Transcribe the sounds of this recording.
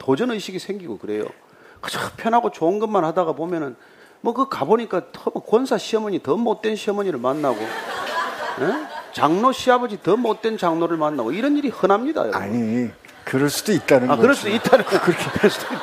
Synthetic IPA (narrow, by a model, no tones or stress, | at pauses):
tod͡ʑʌnɯɕiɡisʰe̞ŋɡiɡokɯɾe̞jo̰ | kɯ̥t͡ɕʰpʰjʌnɦaɡot͡ɕoːnɡɯmːanhadaɣapomjʌnɯn | mwʌkɯkaboɲik͈atmʌkwʌnsʰaɕʰiʌmɯɲitʌmot̚t͈e̞nɕʰiʌmʌɲiɾɯɭmanːaɡo̰ | et͡ɕaŋnoɕʰiabʌd͡ʑitʌmot̚t͈e̞nt͡ɕaŋnoɾɯɭmanːaɡoiɾʌniɾihɯnamɲida̰jo̰a̰ɲi | kɯɾʌɭs͈ud̥oit̚t͈anɯaɡkɯɾʌɭs͈doit̚t͈anɯokkɯɾʌɭs͈udoi